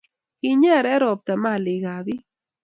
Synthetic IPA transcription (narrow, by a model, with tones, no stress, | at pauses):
ki˧ɲa˦˨ɾɛ˦ɾo˨p̚t̪a˨ma˦˨li˨ɣa˨bi˦